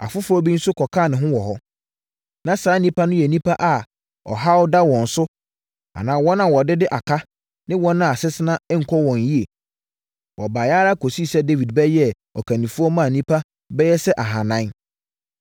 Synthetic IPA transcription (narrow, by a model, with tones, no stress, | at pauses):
a̰˨fʊ˦fʊ˦ɔ˦bi˦n̩˦sʊ˦kʰɔ˨kʰa˦˨nɪ̃˨ɦʊ̃˦wɔ˨ɦɔ˦ | nã˦saː˨˦nĩ˦pʰa˦nʊ̃˦jɛ˨nĩ˦pʰa˦ʔa˨ | ɔ̰˨ɦa˦wʊ˦da˦wɔ̃˨n̩˨sʊ˦ | a̰˨nãː˨˦wɔ˦nã˨wɔ˨dɪ˦dɪ˦ʔa˨kʰa˦ | nɪ̃˦wɔ̃˦nʊ̃˦a˨sɪ˦sɪ˦nã˦ɛ˦ŋ̩˨kʰɔ˦wɔ̃˨n˦ji˦e˨ | wʔɔ˨ba˨jaː˦ɾa˦˨kʰo˨si˦˨sɛ˦de˦vi˨d̚bɛ˦jɛ˦ | ɔ̰˨kʰã˨nĩ˨fʊ˦ɔ˦mã˦˨nĩ˦pʰa˦ | bɛ˦jɛ˦sɛ˦ʔa˨ɦã˨nã˦n